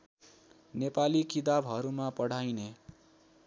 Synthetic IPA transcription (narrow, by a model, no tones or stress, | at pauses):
nepalikid̪abʱɦʌɾumapʌɽ̤ajne